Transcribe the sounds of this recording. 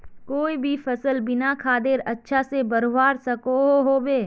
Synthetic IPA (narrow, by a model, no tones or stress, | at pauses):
koːibʱifɐsəlbɪnakʰaːd̪eɾɐtːʃʰasebɐɾoʋaːɾsɐkoɦoɦoːbeː